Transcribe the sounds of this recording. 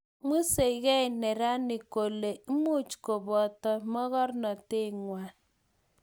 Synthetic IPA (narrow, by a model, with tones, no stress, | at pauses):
mu˦se˨i˨ɣɛ˦˨nɛ˨ɾa˦nɪ˨ko˨le˨˦mu˦t͡ʃko˨bɔ˨tɔ˨mɔ˦ɣɔ˦rnɔ˨te˦˨ŋwa˨